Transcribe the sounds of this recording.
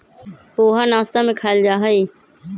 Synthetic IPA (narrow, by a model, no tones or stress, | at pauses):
poːɦaːnaːst̪aːmẽːkʰaːɪld͡ʒaːɦəiː